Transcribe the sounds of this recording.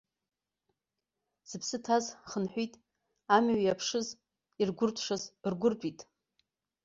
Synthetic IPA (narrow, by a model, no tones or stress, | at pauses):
z̥ɨpʰsɨtʰazχənħʷitʼ | amɥjapʰʂɨz | irɡʷʊrtʷʰʼʂazrɡʷʊrt͡pʷʼitʼ